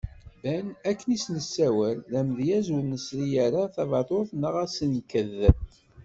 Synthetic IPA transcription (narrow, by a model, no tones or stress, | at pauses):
bænækːənisnəsːæwəlːæmðjæzwənəsɾijaɾaθɑvɑt̪ˤoθnəʁæsənkːəðːə